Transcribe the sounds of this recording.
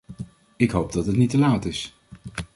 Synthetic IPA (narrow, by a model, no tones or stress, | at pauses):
ɪkɦowp̚dɑtɦətnitəlaːtɪs